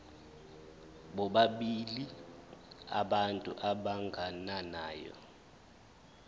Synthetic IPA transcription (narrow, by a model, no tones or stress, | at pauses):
ɓɔɓaɓili | a̰ɓantʼṵʔaɓaŋɡʱananaːjɔ̰